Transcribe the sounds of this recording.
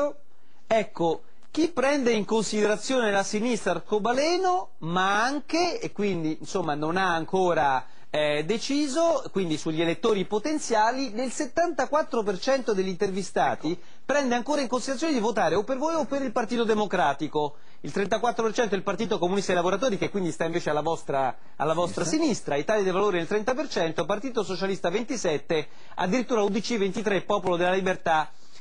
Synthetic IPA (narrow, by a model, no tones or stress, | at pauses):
ɛkːo | k̟ipːɾɛnd̪eiŋkonsid̪eɾat̪sːjoːnelasinist̪ɾakobalɛːno | maaŋkeːkːwind̪insomːanonaːŋkoːɾa | ɛd̪et͡ʃiːzokwind̪isuʎːelet̪ːoːɾipot̪ent̪sjaːlinelset̪ːant̪akwat̪ːɾopert͡ʃɛnt̪od̪eʎːint̪ervist̪aːt̪i | pɾɛnd̪eaŋkoːɾaiŋkonsid̪ɾajoːned̪ivot̪aːɾeopːervoːjopːeɾilpart̪iːt̪od̪emokɾaːt̪iko | ilt̪ɾɛnt̪akwat̪ːɾopert͡ʃɛnt̪oilpart̪iːt̪okomunist̪ajlavoɾat̪oːɾikekːwind̪ist̪aiɱveːt͡ʃealːavɔst̪ɾa | a̰lːavɔst̪ɾasinist̪ɾait̪aːljad̪evaloːɾinelt̪ɾɛnt̪apert͡ʃɛnt̪opart̪iːt̪osot͡ʃalist̪avent̪isɛt̪ːe | a̰d̪ːiɾit̪ːuːɾaud̪it͡ʃivent̪it̪ɾepːɔːpolod̪elːalibert̪a